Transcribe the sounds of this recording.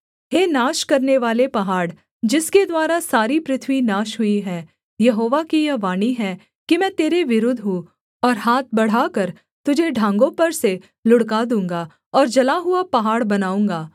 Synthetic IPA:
heːnaːʃkɐɾneʋaːlepɐɦaːɽ | d͡ʒɪsked̪waːɾasaːɾipɾɪt̪ʰwinaːʃɦʊiɦɛː | jɐɦoːʋakijɐʋaːniɦɛ | kimɛ̃ːt̪eːɾeʋɪɾʊd̪ʱɦu | ɔːɾɦaːt̪̚bɐɽ̤aːkɐɾ | t̪ʊd͡ʒʱeɖʱãːŋɡõpɐɾse | lʊɽkad̪ũːŋɡa | ɔːɾd͡ʒɐlaɦʊapɐɦaːɽbɐnaːũːŋɡaː

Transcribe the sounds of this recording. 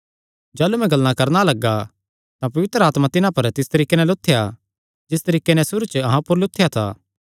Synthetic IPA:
d͡ʒaːlumɛ̃ɡɐlːnãkɐɾnalɐɡːa | t̪ãpɐʋɪt̪ɾəaːt̪mãt̪ɪnãpɐɾt̪ɪst̪ɐɾiːkenɛlot̪ʰːɪja | d͡ʒɪst̪ɐɾiːkːenɛsʊɾut͡ʃəɐɦãpʊɾlʊt̪ʰːɪjat̪ʰa̰ː

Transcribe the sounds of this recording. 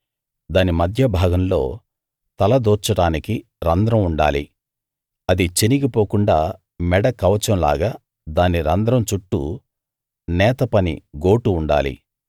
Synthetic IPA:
d̪aːnimɐd̪ʱjɐbʱaːɡɐmlo̞̰ː | t̪ɐlɐd̪ɔːt͡ʃːɐɽaːniki | ɾɐnd̪ɾɐmuɳɖaːlḭ | ɐd̪it͡ʃeniɡipoːkuɳɖaː | mɛɽɐkɐʋɐt͡ʃɐmla̰ːɡaː | d̪aːniɾɐnd̪ɾɐmt͡ʃuʈːṵ | nɛːt̪ɐpɐnḭɡo̞ːʈuːɳɖa̰ːlḭ

